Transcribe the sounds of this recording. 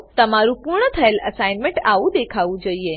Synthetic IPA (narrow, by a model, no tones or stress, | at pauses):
t̪əmaɾũpuɾɳət̪ʰəeləsajnmẽɳʈaʋũd̪ekʰaʋũd͡ʒoie